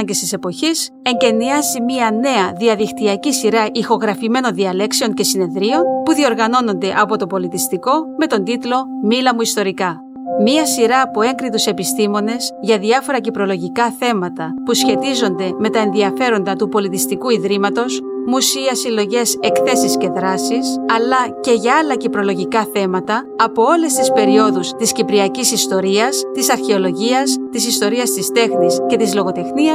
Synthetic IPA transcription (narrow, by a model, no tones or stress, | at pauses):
ɟest̪ise̞po̞çis | e̞ɲɟe̞niɐzimiɐne̞ɐðiɐðikt̪iɐcisiɾɐʔixo̞ɣɾɐfime̞no̞nðiɐle̞kseo̞ɲce̞sine̞ðɾio̞npuðio̞ɾɣɐno̞no̞nd̪e̞ʔɐpo̞t̪o̞po̞lit̪ist̪iko̞me̞t̪o̞nd̪it̪lo̞milɐmuist̪o̞ɾikɐ | miɐsiɾɐːpoe̞ŋɡɾit̪use̞pist̪imo̞ne̞zʝɐðiɐfo̞ɾɐcipɾo̞lo̞ʝikɐθe̞mɐt̪ɐpusçe̞t̪izo̞nd̪e̞me̞t̪ɐenðiɐfe̞ɾo̞nd̪ɐt̪upo̞lit̪ist̪ikuiðɾimɐt̪o̞smusiɐsilo̞ʝe̞se̞kθe̞sisce̞ðɾɐsisɐlɐce̞ʝɐɐlɐcipɾo̞lo̞ʝikɐθe̞mɐt̪ɐːpo̞o̞le̞st̪ispe̞ɾio̞ðust̪iscipɾiɐcisist̪o̞ɾiɐst̪isɐɾçe̞o̞lo̞ʝiɐst̪isist̪o̞ɾiɐst̪ist̪e̞xnisce̞t̪izlo̞ɣo̞t̪e̞xniɐ